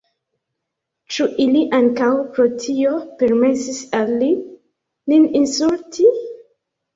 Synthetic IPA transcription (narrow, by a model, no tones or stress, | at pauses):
t͡ʃuʔiliʔaŋkawpɾotʰio̞pe̞ɾmesisalːi | nininsultʰi